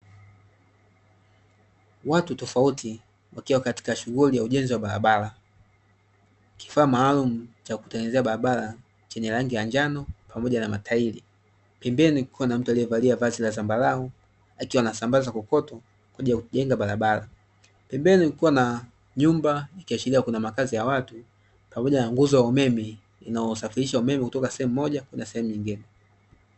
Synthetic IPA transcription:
watutɔfautʰi | wakiwakati̥kaʃuɣulijauʄɛnziwaɓaɾa̰ɓala | ki̥faːmaːlumut͡ʃaku̥tɛŋɡɛzɛaɓaɾaɓala | t͡ʃɛɲɛlaŋɡijaɲd͡ʒanɔpamɔʄanama̰tʰaili | pɛmbɛnilikʰiwanam̩tualijɛvaliavazilazambalaɔ | akiwanasambazakukɔtɔ | kwaʄijakuʄɛŋɡaɓaɾaɓala | pɛmbɛniikuwana | ɲumbaikiat͡ʃiliakunamakazijawatu | pamɔʄanaŋɡuzɔjaumɛmɛ | inaɔsafiɾiʃaumɛmɛkutɔkasɛhɛmumːɔʄakwɛnasɛhɛmuɲiŋɡinɛ

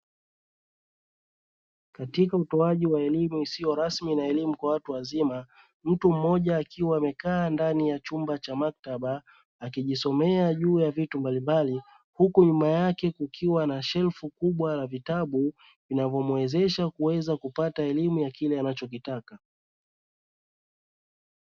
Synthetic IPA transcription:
katikautɔaʄiwaɛlimuisijɔɾasminaɛlimukwawatuwazima | m̩tum̩mɔʄaːkʰiwaːmɛkaːndanijat͡ʃumbat͡ʃamak̚taɓaː | kiʄisɔmɛaʄuːjavitumbalimbali | hukuɲumajakɛkukʰiwanaʃɛlfukuɓwalavitaɓu | vinavɔmwɛzɛʃakuwɛzakupataɛlimujakilɛanat͡ʃɔk̬itaka

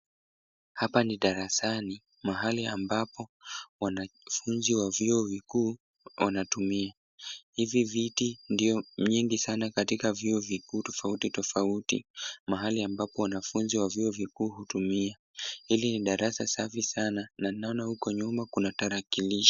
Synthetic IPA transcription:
hapaniɗaɾasani | maɦaliambapɔwanafunziwavjuɔvikuː | wʔanatumia | hivivitindiɔɲiŋɡisanakatikavjiɔvikuːtɔfautitɔfautḭmaɦaliambapɔwanafunziwavjuɔvikuːɦutumia | hiliniɗaɾʔasasafisananainaɔnahukɔɲumakunataɾakiliʃḁ

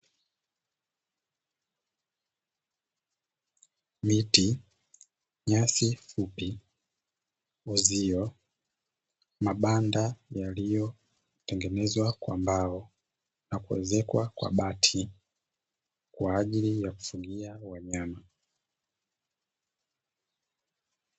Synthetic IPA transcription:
miti | ɲasifupi | uziɔ | maɓandajalijɔ | tɛŋɡɛnɛzwakwa̰mbaɔ | nakuwɛ̰zɛkwakwa̰ɓatʰi | kwaːʄilijaku̥fuŋɡiawaɲama

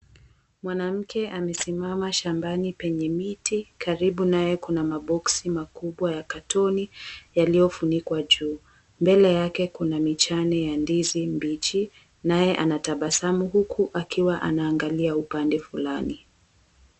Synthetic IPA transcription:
mwanam̩kɛʔamɛsimamaʃambanipɛɲɛmitikʰaɾiɓunajɛkunamaɓɔksimakuɓwajakatɔnijalijɔfunikwaʄuː | mbɛlɛjakɛkunamit͡ʃanɛjandizimbit͡ʃi | najɛʔanataɓasamuhukʰuʔakiwaʔa̰naːŋɡaliaupandɛfulani

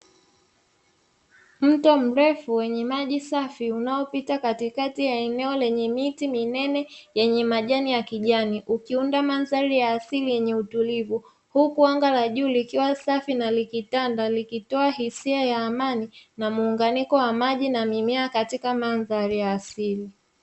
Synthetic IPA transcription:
m̩tɔm̩ɾɛfuwɛɲɛmaʄisafiunaɔpitakatikatijaɛnɛɔlɛɲɛmitiminɛnɛjɛɲɛmaʄanijakiʄaniʔukiundamanzaɾijaːsilijɛɲɛutulivu | hukuaŋɡalaʄuːlikiwasafinalikitandalikitɔahisiajaːmaninamuːŋɡanikɔwamaʄinamimɛakatikamanzaɾijaːsili

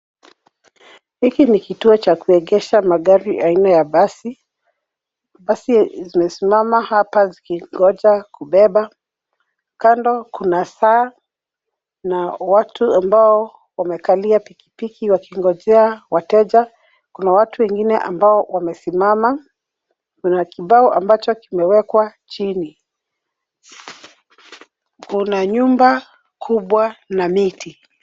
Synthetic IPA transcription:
hikinikituɔt͡ʃakuɛɠɛʃamaɠaɾiʔainajaɓasi | ɓasizimɛsimamahapazikiŋɡɔd͡ʒakuɓɛɓa | kandɔkunasaː | nawatʰuambaɔ | wamɛkaliapiki̥pikiwakiŋɡɔd͡ʒɛawatɛʄa | kunawatuwɛŋɡinɛʔa̰mbaɔwamɛsimama | kunakiɓaɔʔambat͡ʃɔkimɛwɛkwat͡ʃini | kunaɲumba | kʰuɓwanamiti

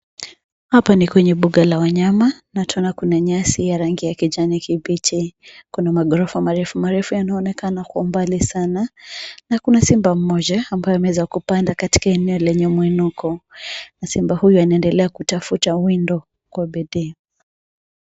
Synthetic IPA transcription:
hapanikwɛɲɛɓuɠalawaɲamanatɔnakunaɲasijaɾaŋɡijakid͡ʒanikibit͡ʃikunamaɠɔɾɔfamaɾɛfumaɾɛfujanaɔnɛkanakwaumbalisananakunasimbam̩ːɔʄaːmbajɔamɛwɛzakupandakati̥kaɛnɛɔlɛɲɛmwinukɔnasimbahujuanaɛndɛlɛakutafutawindɔ | kwaɓɛɗɛ

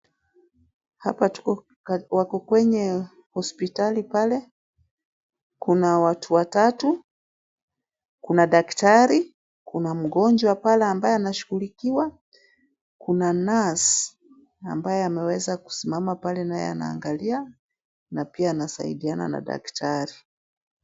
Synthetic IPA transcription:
hapatu̥ɔ | wakɔkwɛɲɛ | hɔspitalipalɛ | kunawatʰuwatatu | kunaɗaktaɾi | kunam̩ɡɔɲd͡ʒwapalɛambajɛanaʃuɣulikiwa | kunanasi | a̰mbajɛamɛwɛzaku̥simamapalɛnajɛ̰a̰na̰ːŋɡalia | napiaːnasa̰ḭɗiana̰na̰ɗa̰ktʰaɾi

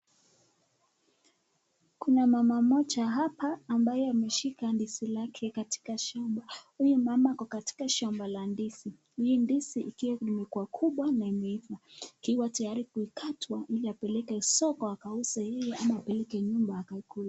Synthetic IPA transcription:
kunamamamɔt͡ʃaɦapaːmbajɛamɛʃikandisilakʰɛkatʰi̥kaʃɔmbahujumamakɔkati̥kaʃambalandisi | hiːndisiʔikiwaimɛkuwakʰuɓwanaimɛifaikiwatajaɾikuikʰatwaʔiliapɛlɛkɛsɔkɔakausajɛjɛʔamaːpɛlɛkɛɲumbaːkaikula

